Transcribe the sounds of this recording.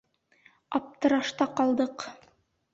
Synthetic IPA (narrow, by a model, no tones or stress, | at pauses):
ɑp̚t̪ɤ̆ɾɑʃt̪ɑqɑlˠd̪ɤq